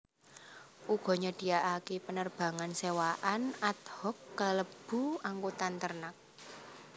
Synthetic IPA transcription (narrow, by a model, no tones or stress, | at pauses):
ʔuɡ̥ɔ̤ɲɔɖ̥i̤aʔakepənərb̥ä̤ŋansewaʔanat̪hɔkːaləb̥ṳaŋkut̪ant̪ərnak̚